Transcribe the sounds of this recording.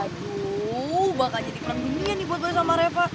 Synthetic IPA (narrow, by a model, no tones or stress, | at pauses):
atu | bakaɲadipəɾandunianibuat̪̚bois̬amaɾefa